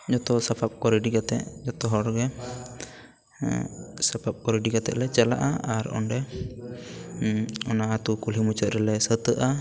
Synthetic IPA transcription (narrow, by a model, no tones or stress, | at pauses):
d͡ʒɔt̪ɔsapʰap̚kɔɾiɖiɡat̪ɛ̰ʔd͡ʒɔt̪ɔɦɔɾɡɛ | sapʰap̚kɔɾiɖiɡat̪ɛ̰ʔlɛt͡ʃala̰ʔaaɾɔ̰nɖɛ | ɔnaat̪ukulimut͡ʃət̪̚ɾɛlɛsət̪əʔa